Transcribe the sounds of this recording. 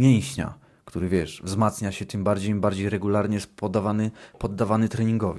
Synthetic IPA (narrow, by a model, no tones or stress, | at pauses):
jɛw̃ɕɲa̰ | kt̪uɾɘvʲjɛʂvzmat̪sɲaɕɛt̪ɘmbaɾd͡ʑejmbaɾd͡ʑejɾɛɡulaɾɲɛspɔd̪avanɘpɔd̪ːavanɘt̪ɾɛɲiŋɡɔvʲ